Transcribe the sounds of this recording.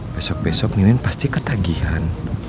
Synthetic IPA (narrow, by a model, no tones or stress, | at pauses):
b̥ɛsɔk̚bɛsɔk̚ninɪnpast̪ikət̪aɡihan